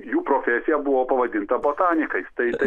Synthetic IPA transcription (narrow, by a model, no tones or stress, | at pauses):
juːpɾoːfʲɛsʲɪjɛbʊʋoːpɐʋɐd̪ʲɪnt̪ɐboːt̪ɑːnʲɪkɐɪst̪ɐɪt̪ɐ